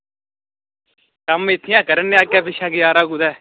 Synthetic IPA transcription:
kəmɪt̪ʰɪjãːkəɾənːeaːkːaːbɪʃãːɡɪjaːɾaːɡud̪ɛː

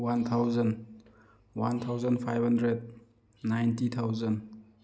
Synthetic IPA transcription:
want̪ʰawzən | want̪ʰawzənpʰajbʱɦandɾed̚ | najntit̪ʰawzən

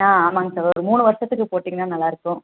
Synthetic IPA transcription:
ãːaːmaːŋɡɐsɐʋɐɔɾɯmuːɳɯʋɐɾʂɐt̪ːɯkːɯpoːʈːiːŋɐnaːnɐlːaːɪɾɯkːʊ̃

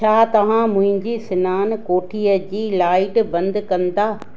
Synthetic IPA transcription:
t͡ɕʰaːt̪ɐʋ̤ãmʊ̃ɦɪ̃ɲd͡ʑisɪnaːnkoːʈʰijəd͡ʑiːlaːɪʈbɐ̃nd̪kɐ̃nd̪aː

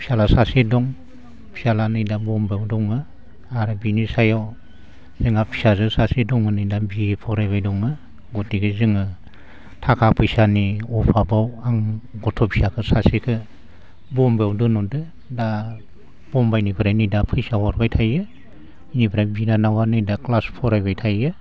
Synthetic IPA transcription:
pʰi̥salasasedɔŋ | pʰisalanɯjdabɔmbewdɔŋɯ | aɾɯbinisajaw | zɯŋapʰi̥sazɯsasedɔŋɯnɯjdabipʰɔɾabajdɔŋɯ | ɡɔtikʰɯzɯŋɯ | tʰakʰapʰɯjsaniɔpʰabawaŋɡɔtʰɔpʰi̥sakʰɯsasikʰɯ | bɔmbewdɯnɔndɯ | da | b̥ɔmbajnibʰɯɾanijdapʰɯjsahɔɾbajtʰajɯ | inibʰɾabinanawanɯjdaklaspʰɔɾajbajtʰajɯ

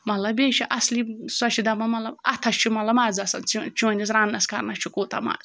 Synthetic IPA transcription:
mɐt̪lɐbeːʃʰiʔɐslisɐʃʰid̪ɐmɐmɐt̪lɐbɐt̪ʰɐʃt͡ʃʰumɐt̪lɐbmaːd͡zɐsɐnt͡sit͡ʃʰuɐnʲd̪ʲis̬ɾaːnːɐskɐɾnɐst͡ʃʰukoːt̪ʰɐ̰ma̰ːz

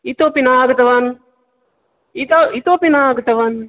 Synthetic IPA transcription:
it̪opinaːɡɐt̪ɐʋɐn | it̪it̪opinaːɡɐt̪ɐʋɐn

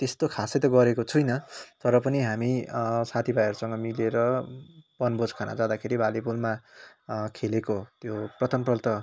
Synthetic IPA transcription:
t̪est̪okʰasʌjt̪ʌɡʌɾekot͡sʰujnʌt̪ʌɾʌpʌniɦamisat̪ʰibajɦʌɾusʌŋɡʌmileɾʌbʌnbod͡zkʰana̰d͡zad̪akʰeɾibalebulma | kʰelekot̪joprʌt̪ʰʌmprʌlt̪ʌ

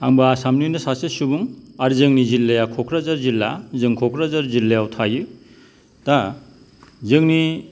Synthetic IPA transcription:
aŋbaːsamnɯjnɯsasesubuŋaɾzɯŋnizilːajakʰɔkʰɾazaɾzilːa̰zɯŋkʰɔkʰɾazaɾzilejawtʰajɯ | ta | zɯŋni

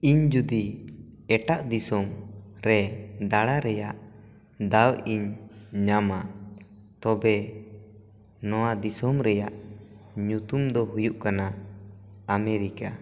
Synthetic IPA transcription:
iɲd͡ʒud̪iɛʈaʔd̪isɔmɾɛd̪aɽaɾɛjaʔ | d̪awiɲɲama | t̪ɔbɛ | nɔwad̪isɔmɾɛjaʔɲut̪umd̪ɔɦujuʔkana | amɛɾika

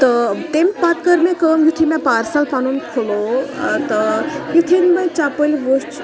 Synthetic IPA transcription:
t̪ət̪emʲpat̪kəɾmẽkəmjut̪ʰimẽpaːɾsalpanunkʰolot̪əjut̪ʰinmɐ̃t͡ʃapəlʲʋost͡ʃ

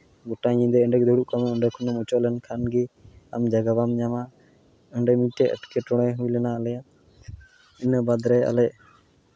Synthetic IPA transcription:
ɡɔʈaɲĩd̪ɛəɳɖɛk̚d̪ɔɽuʔkamɛəɳɖɛkʰɔnɔmut͡ʃɔʔlɛnkʰanɡia̰md͡ʒaɡabamɲama | əɳɖɛmiʈːɛʔə̰ʈkɛʈɔɽ̃ɛɦujlɛnaəlɛjat̪ | inəbad̪ɾɛa̰lɛʔ̚

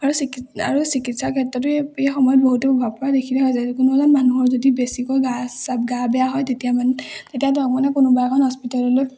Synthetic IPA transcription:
aɹusikia̰ɹusikitsakʰɛtːɔtʊejxɔmɔjɔt̚boɦutɔpɔbʱab̚kɔɹadekʰilɛɦɔjzakʊnualanmanuɦɔɹzodibesikɔjɡasabɡabɛjaɦɔjtetijamantetijatɔk̚manɛkʊnʊbakʰɔnhɔspitalɔloj

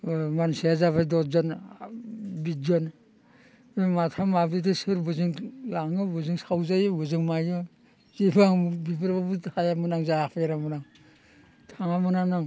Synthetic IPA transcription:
manseazaβadɔzɔn | bid͡ʒɔn | bematʰamabdidisɯɾbɯzɯŋjaŋɯbɯzɯŋsawzajɯbɯzɯŋmajɯ | zibaŋbibɯɾbabutʰajamɯnaŋzaapʰeɾamɯnaŋ | tʰaŋamɯnanaŋ

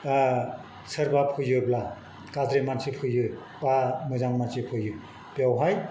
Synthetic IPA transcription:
sɯɾbapʰɯjɯbla | kadɾemansipʰɯjɯ | pamɯzaŋmansipʰɯjɯ | pjawɦaj

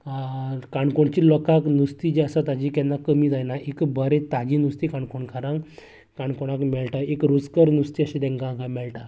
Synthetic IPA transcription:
kaɳkoɳt͡ɕiːlɔkaknust̪id͡ʑeəsat̪ad͡ʑiːkɛnːakəmiːd͡zajnaʔekbəɾet̪aɡinust̪ikãɳkoɳkaɾãŋ | kaɳkoɽ̃akmɛɭʈaekɾud͡zkəɾnust̪iːəɕĩd̪ɛ̃ŋkãkamɛɭʈa

